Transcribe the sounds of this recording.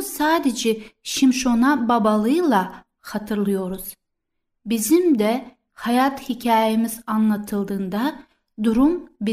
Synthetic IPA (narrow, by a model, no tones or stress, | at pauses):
saːd̪ed͡ʒɛʃimʃo̞nababalˠɯɯlˠa | xat̪ʰɯɾlˠɯjo̞ɾuz̥ | bizimd̪ɛ | hajat̪hicʰaːjemizanlˠat̪ʰɯlˠd̪ɯːnd̪a | d̪uɾumbi